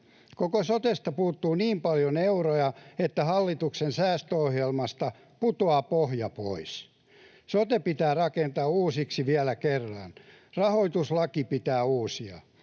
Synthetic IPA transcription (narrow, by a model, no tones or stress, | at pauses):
kokosot̪est̪ɑpuːt̪ːuːniːmpɑljoneurojɑet̪ːæhɑlːit̪uksensæːst̪øohjelmɑst̪ɑ | put̪oɑːpohjɑpo̰is | sot̪epit̪æːrɑkent̪ɑːuːsiksiʋiælækerːɑ̰n | rɑhoit̪uslɑkipit̪æːuːsiɑ̰